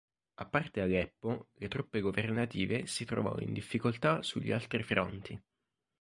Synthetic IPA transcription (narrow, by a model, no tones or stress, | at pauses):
apːart̪ealɛpːolet̪ɾupːeɡovernat̪iːvesit̪ɾo̰vɔ̰ːḭnd̪ifːikolt̪asuʎːḭalt̪ɾifɾɔnt̪ʰi